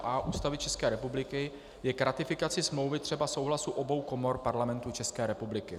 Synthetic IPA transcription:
ʔaʔuːst̪avɪt͡ʃɛskɛːɾɛpublɪkɪ | jɛkɾat̪ɪfɪkat͡sɪsmlo̞wvɪt̪r̥ɛbaso̞wɦlasuʔo̞bo̞wko̞mo̞ɾpaɾlamɛnt̪ut͡ʃɛskɛːɾɛpublɪkɪ

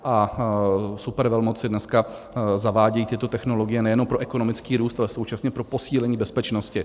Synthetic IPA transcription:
ʔa | supɛɾvɛlmot͡sɪdnɛska | zavaːɟɛjiːt̪ɪt̪o̞t̪ɛxno̞loɡɪjɛnɛjɛnompɾo̞ʔɛko̞nomɪt͡skiːɾuːst̪alɛso̞wt͡ʃasɲɛpɾopo̞siːlɛɲiːbɛspɛt͡ʃnoscɪ

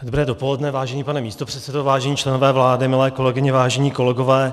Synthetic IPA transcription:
dobɾɛːdopolɛdnɛvaːʒɛɲiːpanɛmiːst̪o̞pr̥ɛt̪sɛdovaːʒɛɲiːt͡ʃlɛnovɛːvlaːdɪmɪlɛːko̞lɛɡɪɲɪvaːʒɛɲiːko̞lɛɡo̞vɛː

